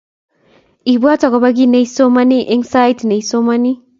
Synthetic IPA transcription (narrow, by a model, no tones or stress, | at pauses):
ibuatɔɡabaɡinejsomaniʔiŋsajtnejsomani